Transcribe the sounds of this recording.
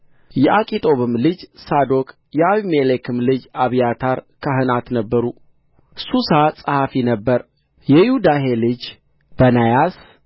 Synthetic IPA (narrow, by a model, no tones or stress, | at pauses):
jɛʔakʼit̪ʼo̞βɨmlɨd͡ʒsad̪o̞kʼ | jɛaβimelekʰɨmlɨd͡ʒaβijat̪ʰaɾkʰaɦɨnat̪nəbːəɾu | susasʼəhafinəbːəɾ | jɛjɪhud̪aɦelɨd͡ʒ | b̥ənajas